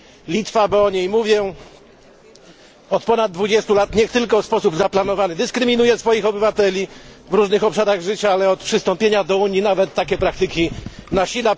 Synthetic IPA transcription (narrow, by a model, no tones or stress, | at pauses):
lʲit̪fabɔɔɲejmuvʲjɛ | ɔt̪pɔnad̪̚d̪ːvud͡ʑɛst̪ulat̪ɲɛxt̪ɘlkɔspɔsubzaplan̪ɔvanɘd̪ɘskɾɘmʲinujɛsfɔjixɔbɘvat̪ɛlʲivɾuʐnɘxɔpʂaɾaɣʐɘt͡ɕaalɛɔt̪̚pʂɘst̪ɔmpʲjeɲad̪ɔuɲjinavɛt̪ːakʲɛpɾak̚t̪ɘkʲinaɕila